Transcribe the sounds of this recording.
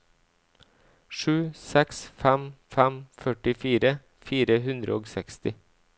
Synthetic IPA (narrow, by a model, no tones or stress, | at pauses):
ʃʉːsɛksfæmfæmfœʈɪfiːɾə | fiːɾəhʉnd̪ɾə̰oːɡsɛkst̪ɪ